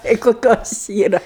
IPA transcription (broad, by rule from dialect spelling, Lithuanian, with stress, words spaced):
tɐɪ koːˈkʲoːs ˈiːrɐ